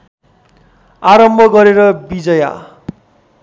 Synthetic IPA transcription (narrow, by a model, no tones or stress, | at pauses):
aɾʌmbʱʌɡʌɾeɾʌbid͡zʌja̰